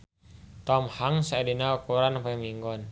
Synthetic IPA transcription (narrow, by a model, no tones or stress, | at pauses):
t̪ɔmhaŋsaɛdinaukuɾanapaamiŋɡɔn